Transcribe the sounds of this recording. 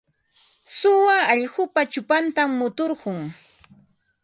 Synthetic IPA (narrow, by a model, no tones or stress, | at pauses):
sʊwaːʎɢʊpat͡ʃʊpant̪amːʊt̪oɾɢʊŋ